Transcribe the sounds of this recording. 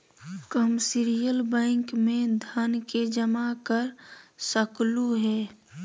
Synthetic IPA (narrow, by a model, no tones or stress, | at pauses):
kəmsɪɾijəlbɛ̃ːŋkmẽd̪ʱənked͡ʒəmakəɾsəkluɦɛː